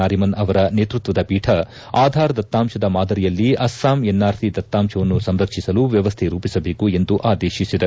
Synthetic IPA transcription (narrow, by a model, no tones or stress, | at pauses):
aːɾimɐnɐʋɐɾɐneːt̪ɾut̪ʋɐd̪ɐbiːʈʰɐ | aːd̪ʱaːɾɐd̪ɐt̪ːaːmʃɐd̪ɐmaːd̪ɐɾijɐlːiɐsːaːmenːaːɾt̪ʰid̪ɐt̪ːaːmʃɐʋɐnːusɐmɾɐkʂisɐluʋjɐʋɐst̪ʰeɾuːpisɐbe̞ːkue̞nd̪uʔaːd̪eːʃisid̪e